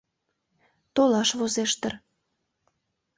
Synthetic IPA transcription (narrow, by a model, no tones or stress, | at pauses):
t̪olɑʃβozeʃt̪ər